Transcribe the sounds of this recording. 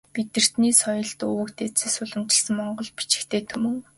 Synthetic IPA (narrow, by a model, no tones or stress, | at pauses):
pit̪ɘ̆r̥t̪niːsɔjɞ̆ɮt̪ɵwɘ̆kt̪ʰet͡seːsʊɮə̆mt͡ɕɪ̆ɮsə̆ŋmɔɴɢɞ̆ɮpi̥t͡ɕɪ̥̆kt̪ʰeːt̪ʰɵmɵ̆ŋ